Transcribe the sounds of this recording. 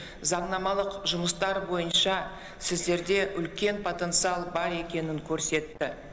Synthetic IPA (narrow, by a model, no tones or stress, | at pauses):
zɑɴnɑmɑlˠəqʒʊməst̪ɑɾbo̞jənʃɑ | sɪzd̪e̞ɾd̪e̞ʔʏlkʲe̞npʰo̞t̪e̞nt̪sɨɑlˠbɑɾe̞kʲe̞nɪŋkʲʰɵɾse̞t̪ːɪ